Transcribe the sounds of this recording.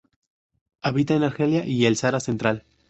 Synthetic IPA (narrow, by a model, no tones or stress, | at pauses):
aβit̪aenaɾxe̞ljaʔielsaɾasent̪ɾal